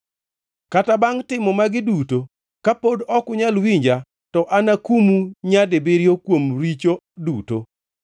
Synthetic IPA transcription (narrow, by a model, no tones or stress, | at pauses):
katabaŋtɪmɔmaɡɪduto | kapodɔkʊɲalwiɲd͡ʒa | tɔʔanakumuɲadebeɾjokwomɾit͡ʃo | duto